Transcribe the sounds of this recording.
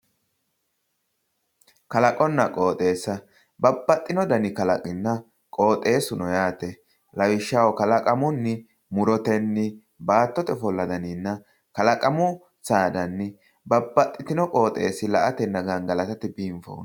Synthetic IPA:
kɐlɐkʼɔnːɐkʼo̞ːt̪ʼe̞ːsːɐ | bɐbːɐt̪ʼːɪnɔd̪ɐnɪkɐlɐ̰kʼɪnːɐ | kʼo̞ːt̪ʼe̞ːsʊnɔjaːt̪ɛ | lɐwɪʃːɐwɔkɐlɐkʼɐmʊnːɪ | mʊɾɔt̪ɛnːɪ | baːt̪ːɔt̪ɛfɔlːɐd̪ɐnɪnːɐ | kɐlɐkʼɐmʊ | saːd̪ɐnːɪ | bɐbːɐt̪ʼːɪt̪ɪnɔkʼo̞ːt̪ʼe̞ːsːɪlɐʔɐt̪ɛnːɐɡɐnɡɐlɐt̪ɐt̪ɪbiːɱfo̰ːn

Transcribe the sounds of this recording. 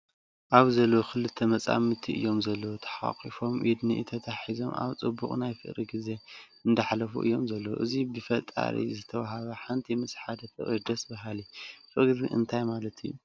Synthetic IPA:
ʔaβzɐlːokʰɨlɨt̪ʰːɐmɐt͡sʼa̰mɨt̪ʰiʔɨ̰jːo̞mzɐlːɐwt̪ʰɐ̥ħa̰χʼifo̞mʔid̪niʔt̪ʰɐt̪ʰaħizo̞ma̰βt͡sʼɨbːuχʼnajfɨʔɾiɡize̞ | ɨnd̪ɐħlɐfṵʔɨ̰jːo̞mzɐlːɐwʔɨzibɨfɐt̪ʼa̰ɾḭzɨt̪ʰɐwaɦaβɐħant̪ʰimɨsʼħad̪ɐt̪ʰɨʔʼid̪ɐsbɐɦalifɨʔɡɨdiʔɨ̰nt̪ʰajmalɐt̪ʰɨjːu

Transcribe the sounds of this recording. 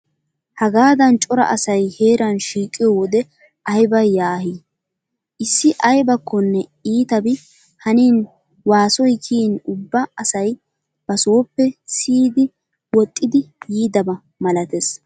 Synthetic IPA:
hɐɡaːd̪ɐnt͡ʃʼɔɾɐ̰ʔɐsɐjheːɾɐnʃiːkʼːɪjɔwɔd̪ɛ | ʔɐjbɐjjaːɦiː | ʔɪsːɪʔɐjbɐkːɔnːɛiːt̪ɐbɪ | hɐniːn | waːsɔjkʰiːnʊbːɐɐsɐj | b̥ɐsoːpːɛsiːd̪ɪ | wɔt̪ʼːɪd̪ɪjiːd̪ɐbɐ | mɐlɐt̪es

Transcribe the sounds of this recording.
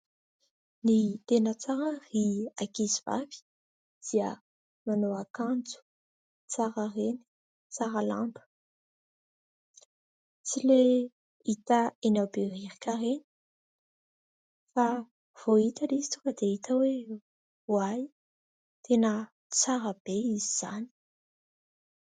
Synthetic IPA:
nit̪enət͡saɾəriakiziva̰vi̥ | d̪̥iə | manoakand͡zu̥ | t͡saɾareni̥ | t͡saɾala̰ɳɖ͡ʐu̥ | t͡sile | it̪aenawberiɾikaɾeni̥ | fa | v̥oit̪alizi̥t̪ukəd̪eit̪awe | uaj | t̪ʰenə | t͡saɾəb̥eiziz̥a̰ni̥

